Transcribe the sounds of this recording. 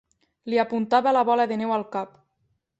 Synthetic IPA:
liapunt̪aβelaβɔlaðenɛwalˠkap

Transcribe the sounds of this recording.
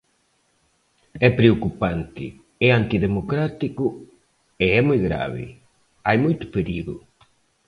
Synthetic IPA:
ɛpɾeokupant̪ɪ̰ | ɛant̪iðemokɾat̪ikʊ | eɛmujɣɾa̰βɪ̰ | ajmujt̪ʊ̥peɾiɣʊ̰

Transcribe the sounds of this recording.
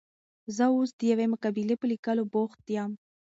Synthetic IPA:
zəusd̪əjawemʊkabilepəlikaloboxt̪̚d̪jɑm

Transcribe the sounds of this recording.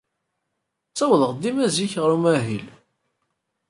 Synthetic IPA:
t͡sːæwəðəʁd̪imæziçʁəɾumæɦil

